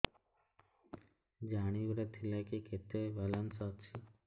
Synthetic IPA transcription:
d͡ʒaɽ̃ibɾet̪ʰilekiket̪ebalansɔt͡ʃʰi

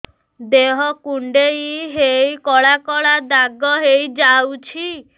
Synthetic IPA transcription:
d̪eɦɔkuɳɖeiɦejkɔɭakɔɭad̪aɡɔɦejd͡ʒawt͡ʃʰi

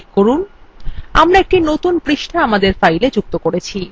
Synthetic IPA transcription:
koɾun | amɾaek̚ʈinot̪unpɾiʃʈʰaamad̪eɾfajled͡ʑuk̚t̪okoɾet͡ɕʰi

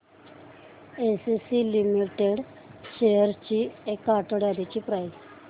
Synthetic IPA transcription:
esisilimiʈeɽ | ɕejəɾt͡ɕiekːaʈəɽjad̪it͡ɕiːpɾaj

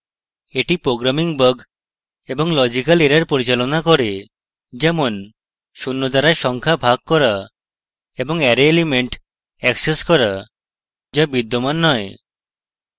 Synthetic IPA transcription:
eʈipɾoɡɾamiŋbəɡ | ebɔŋlɔd͡ʒikaleɾaɾpoɾit͡ʃalonakɔɾe | d͡ʒɛmon | ʃunːot̪aɾaɾʃɔŋkʰabʱaɡ̚kɔɾa | ebɔŋɛɾeːlimeɳʈ | ɛkseskɔɾa | d͡ʒabid̪ːomanːɔe

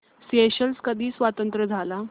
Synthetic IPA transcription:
seɕəlskəd̪ʱiːsʋat̪ənt̪ɾəd͡zʱala

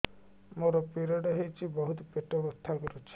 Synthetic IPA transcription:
moɾɔpiɾɔɖɔɦejt͡ʃʰibɔɦut̪ɔpeʈɔbɾɔt̪ʰːakɔɾut͡ʃʰi̥

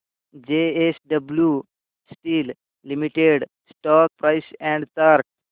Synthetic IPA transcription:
d͡ʒeesɖəblju | sʈilː | imiʈeɖ | sʈɔːk̚pɾaɪsɛ̃ɳɖt̪əɾk̚

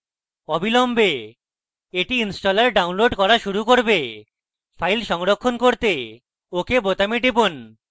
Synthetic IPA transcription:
obʱilombe | eʈiinsʈolaɾɖawnloɖkɔɾaʃuɾukoɾbe | fʰajlʃɔŋɾokʰːonkoɾt̪e | okebot̪amiʈ̬ibon

